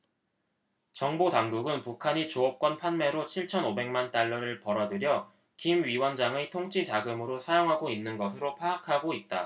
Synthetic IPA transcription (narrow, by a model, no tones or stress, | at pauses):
t͡ɕʌŋbotaŋɡuɡɯnpukʰaɲit͡ɕoʌp̚k͈wʌnpʰanme̞ɾot͡ɕʰiɭt͡ɕʰʌnobe̞ŋmant͈aɭːʌɾɯɭpʌɾʌdɯɾjʌ | kimɥiwʌnd͡ʑaŋetʰoŋt͡ɕʰit͡ɕaɡɯmɯɾosʰajoŋɦaɡoinːɯnɡʌsʰɯɾopʰaːkʰaɡoit̚t͈a